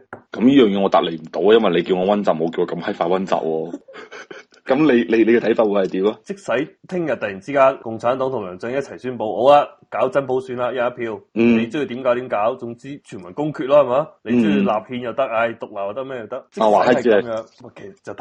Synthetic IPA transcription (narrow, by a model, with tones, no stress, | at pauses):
kɐ˨˦mjiː˥jœː˨ŋjɛː˨˧ŋɔ˨˧t̪a̰ː˨le˨˩m̩˨˩t̪o˨˧˥wa˧jɐ˥nwɐ˨jle˨˧jkiː˧wŋɔː˨˧wɐ˥nt͡sa˨p̚mo˨˧wki˧wɔ˨˧kɐ˧mhɐ˥faː˧wɐ˥nt͡sa̰ː˨p̚wɔː˧ | kɐ˨˥mle˨˧jle˨˧jle˨˧jkɛ˧t̪ʰɐ˨˥jfaː˧twu˨˧hɐ˨jt̪iː˨˥wɔ˧t͡sɪ˥k̚sɐ˨˥jt̪ʰɪ˥ŋjɐ˨t̚t̪ɐ˨ji˨˩nt͡siː˥kaː˥nkʊ˨ŋt͡sʰaː˨˥nt̪ɔː˨˥ŋt̪ʰʊ˨˩ŋlœː˨˩ŋt͡sɪ˧˥ŋjɐ˥t̚t͡sʰɐ˨˩jsyː˥npo˨˧˥who˨˥wlaː˧kaː˨˥wt͡sɐ˨˥npo˨˥wsyː˨˧nlaː˨˧jaː˧ɐ˥pʰiː˧w̩˨ne˨˧jt͡sːji˧˩t̪iː˨˥mkaː˨˥wt̪i˨˥kaː˨˥wt͡sʊ˨˧ŋt͡siː˥t͡ʃʰyː˨˩nmɐ˨˩nkʊ˥ŋkʰyː˧t̚lɔː˥hɐ˨jmaː˨˧˥le˨˧t͡sːlaː˨p̚hiː˧njɐ˨wt̪ɐ˥k̚hɐ˧˩jt̪ʊ˨k̚laː˨˩waː˨˧˩t̪ɐ˥k̚mɛː˥jɐ˨˩wt̪ɐ˥k̚t͡sɪ˥aː˨waː˨˦ɐ˥˨ɛ˦mjːŋwɐ˨˩kʰe˨˩sɐ˨˩t͡sːɐ˨t̪